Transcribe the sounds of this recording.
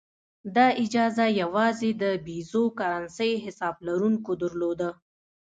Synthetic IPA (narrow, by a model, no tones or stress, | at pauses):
d̪ɑʔɪd͡ʒɑzajawɑzed̪əbizokaɾansəjɦɪsɑblaɾuŋkod̪əɾlod̪ə